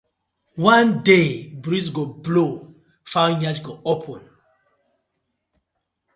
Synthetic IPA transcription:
wãndebɹisɡoblo | fawɲad͡ʒɡɔopʰɔ̃n

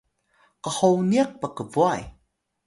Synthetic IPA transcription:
qəhowniak̚pakəvuaj

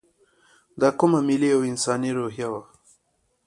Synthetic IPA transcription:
d̪ɑkʊmamɪliawɪnsɑniɾoɦjawa

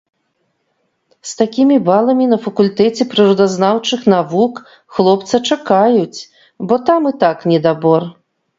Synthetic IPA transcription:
st̪akʲimʲibalˠɐmʲinɐfɐkulʲt̪ɛt͡sʲɛpɾɨɾud̪aznawt͡ʂɨxnavuk | xlˠɔpt̪sɐt͡ʂakajut͡sʲ | bɔt̪amɨt̪aknʲɛd̪abɔr

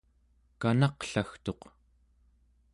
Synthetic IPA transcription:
kanɑqɬaxt̪o̞q

